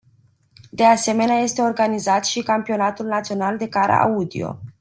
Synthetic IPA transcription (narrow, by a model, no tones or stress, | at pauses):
d̪e̞ase̞me̞neaje̞st̪e̞o̞rɡanizat̪ʃikampio̞nat̪ulnat̪sio̞nald̪e̞kaɾa̰ʔa̰ud̪ḭo̞̰